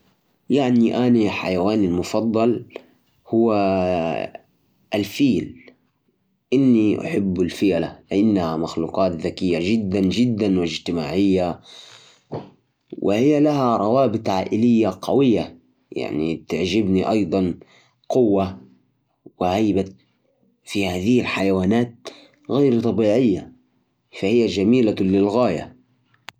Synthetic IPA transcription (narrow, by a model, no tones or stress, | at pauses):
jaʕniʔaːniħa̰jawaːnalmʊfɑd̪ˤːɑl | hʊwːa | ʔalfiːl | ʔɪnːiʔa̰ħɪbːalfɪjalalɪʔɪnːahamaxlṵːqɑːt̪ðakɪjːaʒɪd̪ːand͡ʒɪd̪ːanwɪd͡ʒt̪ɪmaːʕɪjːa | wʔɪ̰hɪjːalahaɾˤɑwaːbɪt̪ˤʕaːʔɪlɪjːaqʰɑ̰wɪjːa | ja̰ʕnḭt̪aʕʒɪbniʔɑjd̪ˤɑn | qʊwːa | wɪʕajba | fihaːðɪhilħajawaːnaːt̪̚ | ɣajɾt̪ˤɑbiːʕɪjːa | fahɪjːad͡ʒamiːlalɪlɣaːja̰